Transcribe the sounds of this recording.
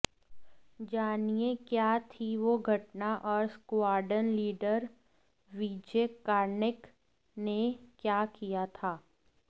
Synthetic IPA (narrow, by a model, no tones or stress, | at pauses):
d͡ʒaːnijekjaːt̪ʰiʋoɡʱɐʈnaʔɔːɾskwaːɾɖənliːɖəɾ | ʋiːd͡ʒeːkaːɾnɪk | nekjaːkijat̪ʰaː